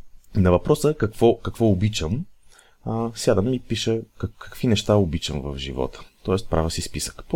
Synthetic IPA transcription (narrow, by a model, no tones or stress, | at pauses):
nɐvɐpɾɔsəkɐkvɔkɐkvɔobit͡ʃəm | sjad̪əmːipiʃəkkɐ̥kvinɛʃt̪aʊbit͡ʃəmvə̰vʒivɔ̰t̪ə̥t̪ɔɛst̪pɾʔavəsispisə̥kp